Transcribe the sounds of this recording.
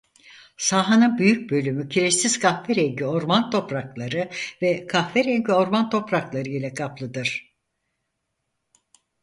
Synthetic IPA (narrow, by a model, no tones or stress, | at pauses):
saːɦanɯnbyjyc̚bø̞lʲymycʰiɾesiz̥kʰahvɛɾeɲɟyo̞ɾmant̪ʰo̞pɾaklˠaɾɯvɛkʰahvɛɾeɲɟyo̞ɾmant̪ʰo̞pɾaklˠaɾɯilʲɛkʰaplˠɯd̪ɯɾ̥